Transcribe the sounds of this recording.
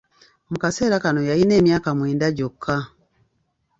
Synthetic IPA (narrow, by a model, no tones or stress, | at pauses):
mukaseɾakanojaineːmjakamwiːndaɟokːa